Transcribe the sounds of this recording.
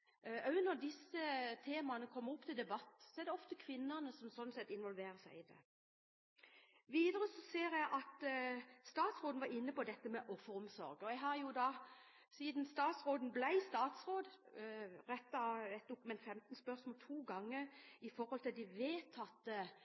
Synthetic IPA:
œʉnɔd̪ɪsət̪ʰeːmɑnəkʰɔmːəʁɔpːt̪ʰɪld̪ɛbɑt̪ːsɔɛʁd̪ɛɔft̪əkʰʋɪnːənəsɔmsɔnːsɛt̪ːɪnʋɔlʋeːɾəsæɪd̪ɛ̰ | ʋiːd̪əɾəsɔseːɾjæɪʔɑt̪st̪ɑːt̪sʁoːd̪n̩ʋɑɾɪnːəpɔd̪ɛt̪ːəmɛʔɔfːəɾɔmsɔ̰ɾɡɔjɛɪɦɑɾjʊd̪ɑ | siːd̪nst̪ɑːt̪sʁoːd̪n̩blæɪst̪ɑːt̪sʁoːd̪ | ɾɛt̪ːɑɛt̪̚d̪ʊkʉmɛnt̪fɛmt̪n̩spœʁsmoːlt̪ʰuːɡɑŋːəɾɪfɔɾhɔlt̪ɪld̪ɪʋeːt̪ʰɑt̪ːə

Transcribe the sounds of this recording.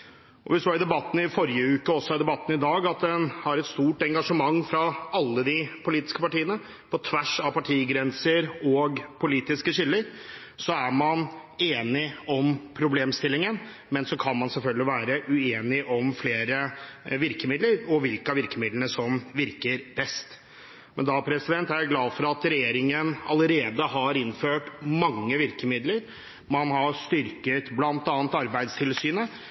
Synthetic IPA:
ʔɔ̰ʋɪst̪ʋɑɾɪd̪ɛbɑt̪ːn̩ɪfɔɾjəʉːkəɔsːɔɪd̪ɛbɑt̪ːn̩ɪd̪ɑːɡɑt̪̚d̪ɛnhɑɾɛt̪st̪uːʈɛŋɡɑʂəmɑŋːfɾɑɑlːəd̪ɪpʰʊliːt̪ɪ̥skəpɑʈiːənə | pʰɔt̪ʰʋæʂɑʋpɑʈʰiːɡɾɛnsəɾɔɡpʰʊliːt̪ɪskəʂɪlːəɾ | sɔæɾmɑneːnɪɔmpʰɾʊbleːmst̪ɪlːɪŋən | mɛnsɔkʰɑnmɑnsɛlfœlɡəlɪʋæːɾəʔʉeːnɪʔɔmfleːɾəʋɪɾkəmɪd̪ləɾɔʋɪlkɑʋɪɾkəmɪd̪lənəsɔmʋɪɾkəɾbɛst̪ | mɛnd̪ɑːpʰɾɛsɪd̪ɛnt̪æɾæɡlɑːd̪fɔɾɑt̪ɾɛjeːɾɪŋənɑləɾeːd̪əɦɑɾɪnføːʈmɑŋːəʋɪɾkəmɪd̪ləɾ | mɑnhɑst̪ʏɾkət̪blɑnt̪ɑːnt̪ɑɾbæɪd̪st̪ʰɪlsyːnə

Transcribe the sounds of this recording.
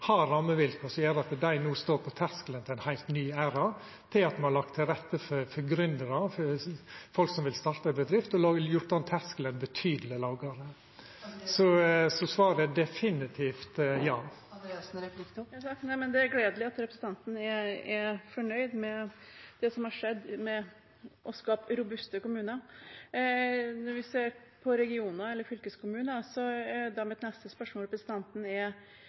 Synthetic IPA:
hɑɾɑmːəʋɪlkəsɔjæːd̪ɛɑt̪d̪æɪnuːst̪oːɾpʰɔt̪ʰæɾskələnt̪ɪlæɪnhæɪlt̪nyːæːɾɑ | t̪ʰɪlɑt̪mɛnhɑɾlɑk̚t̪ʰːɪlɾɛt̪ːəfɔɾfɔɾɡɾʏnd̪əɾɑfɔfɔlksɔmʋɪlst̪ɑɾt̪əbəd̪ɾɪft̪ɔlɑːjʊɾʈ̪ːɑnt̪ʰæsklənbət̪ʰyːd̪əl̩ɪəlɑːɡɑɾə | sɔsɔsʋɑːɾəd̪ɛfɪnɪt̪ʰiːft̪jɑːd̪sɾɛplɪkːsɑnɛmɛnd̪ɛæɾɡleːd̪əlɪɑt̪ɾɛpɾsən̩t̪ɑnt̪n̩ɛɛɾfɔɳœʏd̪mɛd̪̥ɛsɔmhɑɾʂɛd̪ːmɛ | ʔɔskɑːpɾʊbʉst̪əkʊmʉːnə | nɔɾʋɪseːɾpʰɔɾɛɡɪuːnəɛlːəɾfʏlkəskʊmʉːnəsɔd̪ɑmɛt̪nɛst̪əspœʂmɔlɾɛpɾəsən̩t̪ʰɑnt̪n̩ɛɾ

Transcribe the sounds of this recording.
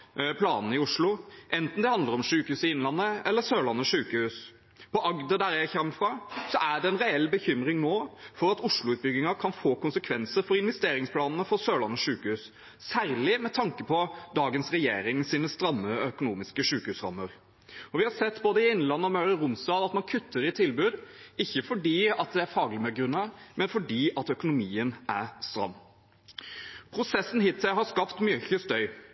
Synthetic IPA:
pʰlɑːnn̩əɪʊʂlʊʔɛnt̪n̩d̪ɛhɑnd̪əɾɔmʂʉːkəhʉːsɪɪnːlɑnːəɛlːəsøːlɑnːəʂʉːkəhʉːs | pʰɔʔɑɡd̪əɖæɾjæɪçɛmːfɾɑsɔʔæɖɛɛnɾɛɛlːbəçʏmɾɪŋnoːfɔɾɑt̪ʊʂɭʊʉːt̪̚bʏɡɪŋɑkʰɑnfoːkʊnsəkʰʋɛnsəɾfɔɾɪnʋɛst̪eːɾɪŋspʰlɑːnn̩əfɔɾsøːɭɑnːəʂʉːkəhʉːs | sæːɾlɪmɛt̪ʰɑŋkəpʰɔd̪ɑːɡənsɾɛjeːɾɪŋsiːnəst̪ɾɑmːəœkʊnuːmɪskəʂʉːkəhʉːsɾɑ̰mːəɾ | ɔʋɪhɑɾsɛt̪ːboːd̪əɪɪnlɑnːəɔmœʏɾəɾʊmst̪ɑːd̪ɑt̪mɑnkʰʉt̪ʰːəɾɪt̪ʰɪlbʉːd̪ɪçːəfɔɖiːɑt̪̚d̪ɛæɾfɑːɡəlɪmɛɡɾʉnːəmɛnfɔɖiːɑt̪œkʊnʊmiːənæɾst̪ɾɑ̰mː | pʰɾʊsɛsn̩ɦɪt̪ʰːɛɦɑskɑpt̪mjœçəst̪œʏ

